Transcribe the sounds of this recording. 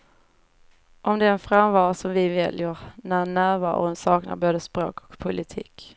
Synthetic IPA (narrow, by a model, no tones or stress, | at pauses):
ʔɔmd̪ɛɛnfɾamvɑːɾasɔmvɪvɛljəɾnænːæːɾvɑ̰ɾʊ̰nsɑːkna̰ɾboːd̪əspɾo̰ːkʰɔ̥kpʰʊlɪt̪ʰḭːk